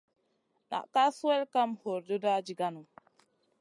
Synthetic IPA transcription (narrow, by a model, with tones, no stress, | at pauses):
na̰˨ʔka˦su˦we˦lka˦mho˨ɾdo˦da˦d͡ʒi˨ɡa˦nu˨